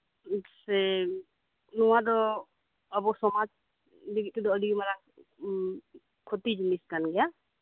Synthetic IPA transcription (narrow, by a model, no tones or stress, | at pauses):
sɛ | nɔwad̪ɔ | abɔsɔmad͡ʒ | liɡit̪̚t̪id̪ɔɔdiɡmaɾa | kʰɔt̪id͡ʒmiskanɡɛja